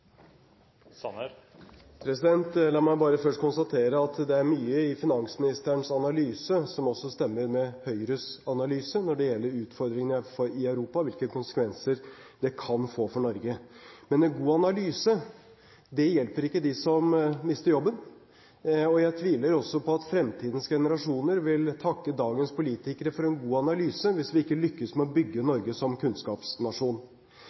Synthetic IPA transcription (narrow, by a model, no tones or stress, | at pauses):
pʰɾɛsɪd̪ɛnt̪lɑːmæɪbɑːɾəfœʂʈkʰʊnst̪ɑt̪ʰeːɾəɑt̪d̪ɛæɾmyːəɪfɪnɑŋsmɪnɪst̪əɳsɑnɑlyːsəsɔmɔsːɔst̪ɛmːəɾmɛhœʏɾøsɑnɑlyːsənɔɖɛjɛlːəɾʉːt̪fɔɾd̪ɾɪŋənfɔɾɪœʉɾuːpɑʋɪlkəkʰʊnsə̥kʰʋɛnsəɾd̪ɛkʰɑnfoːfɔɳɔɾɡəmɛnɛnɡuːɑnɑlyːsə | d̪ɛjɛlpəɾɪkːəd̪ɪsɔmmɪst̪əɾjɔbːən | ɔjæɪt̪ʰʋiːləɾɔsːɔpʰɔɑt̪fɾɛmt̪ʰiːd̪ən̩sɡɛnəɾɑʂuːnəɾʋɪlt̪ʰɑkːəd̪ɑːɡənspʰʊliːt̪ɪkəɾəfɔɾɛnɡuːɑnɑlyːsəʋɪsʋɪɪkːəlʏkːəsmɛɔbʏɡːənɔɾɡəsɔmkʰʉnskɑːpsnɑʂuːn